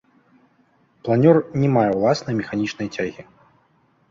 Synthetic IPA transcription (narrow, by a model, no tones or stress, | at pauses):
plˠanʲɔrnʲɛmajɛwlˠasnɐjmʲɛxanʲit͡ʂnɐjt͡sʲaɣʲi